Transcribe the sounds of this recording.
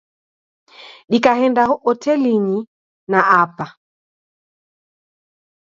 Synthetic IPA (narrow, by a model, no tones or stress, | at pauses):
ɗikahɛndahɔʔɔtɛliɲi | naapa